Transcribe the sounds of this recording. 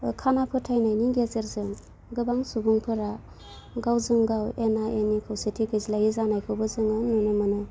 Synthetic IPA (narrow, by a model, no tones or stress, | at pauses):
kʰanapʰɯtʰajnajniŋɡezeɾzɯŋ | ɡɯbaŋsubuŋpʰɯɾa | ɡawzɯŋɡawenaʔenikʰawsetʰikʰɯzilajizanajkʰɯwbɯzɯŋɯnunɯmɯnɯ